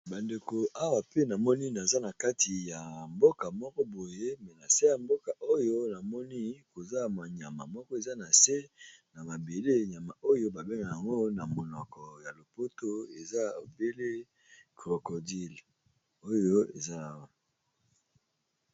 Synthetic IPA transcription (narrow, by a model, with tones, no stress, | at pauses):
ba˨nde˨ko˨ʔa˦wa˨pe˦na˨mɔ˦ni˦na˨za˦na˨ka˦ti˨ja˨mbo˦ka˨mɔ˦kɔ˦bo˨je˦mɛ˨na˨se˦ja˨mbo˦ka˨o˦jo˦na˨mɔ˦ni˦ko˨za˦ma˨ɲa˨ma̰˨mɔ˦kɔ˦e˨za˦na˨se˦na˨ma˨be˨le˦ɲa˨ma˨o˦jo˦ba˨be˦ŋɡa˨ja˨ŋɡo˦na˨mo˨nɔ˨kɔ˨ja˨lo˨po˦to˦e˨za˦o˨be˦le˦ | ɡʁo˨ko˨di˦l | o˦jo˦ḛ˨za˦˨wa˨